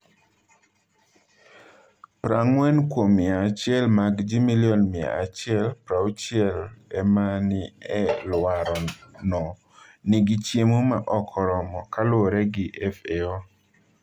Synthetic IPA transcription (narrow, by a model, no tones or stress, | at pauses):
pɾaŋwɛnkwomɪat͡ʃɪɛlmaɡd͡ʒimiljɔnmɪa̰a̰t͡ʃɪɛlpɾaut͡ʃɪɛlɛmanɪɛlwaɾɔnɔ | niɡit͡ʃjemomaʔɔkʰɔɾɔmɔkalwoɾɛɡɪʔɛfeɔ